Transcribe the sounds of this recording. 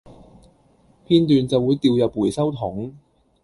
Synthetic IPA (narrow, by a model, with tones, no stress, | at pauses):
pʰiː˥nt̪yː˨˧nt͡sɐ˨wuː˨˧jt̪iː˨˧wjɐ˨p̚wuː˨˩jsɐ˥wt̪ʰʊ˨˩˥ŋ